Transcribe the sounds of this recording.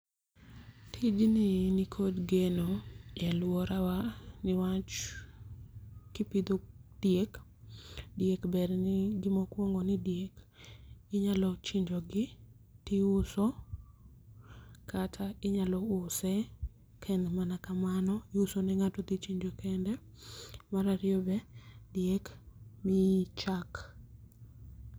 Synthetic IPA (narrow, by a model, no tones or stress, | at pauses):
tʰid͡ʒnɪnikʰodɡenojɛlwɔɾawanɪwat͡ʃ | kɪpid̪od̥jek | djekbɛɾnɪɡɪmokwoŋɡonɪdjek | ɪɲalɔt͡ʃiɲd͡ʒɔɡɪ | t̪ɪʊso | kʰatʰaɪɲalɔʊsɛ | kʰɛndɛmanakamanɔɪʊsonɛŋatɔt̪it͡ʃiɲd͡ʒokɛndɛ | maɾaɾɪobɛdjekmɪt͡ʃak